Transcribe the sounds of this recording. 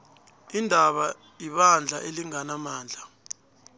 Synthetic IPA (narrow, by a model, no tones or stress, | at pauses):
indʱaɓa | iɓand͡ɮʱaʔeliŋanamaːnd͡ɮʱa